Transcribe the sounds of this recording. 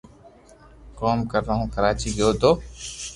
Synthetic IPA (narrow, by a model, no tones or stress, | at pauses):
koːmkəɾːəɦũːkəɾaːt͡ʃiːɡəjoːt̪oː